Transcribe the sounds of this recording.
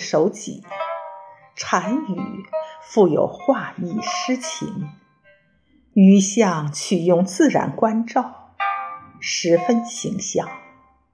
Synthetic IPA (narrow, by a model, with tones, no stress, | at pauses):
ʂo˧˥ʊt͡ɕḭ˨˩˦ | ʈ͡ʂʰa˧˥ny˨˩fu˥˩jo̰˨˩ʊxwa˥˧i˥˩ʂɻ̩˥t͡ɕʰḭ˧˥ŋ | y˧˥ɕjɑ˥˧ŋt͡ɕʰy˨˩jʊ˥˧ŋt͡sɹ̩˥˩ɻa̰˧˥nkwa˥nʈ͡ʂɑ˥˩ʊ | ʂɻ̩˧˥fə˥nɕi˧˥ŋɕjɑ˥˩ŋ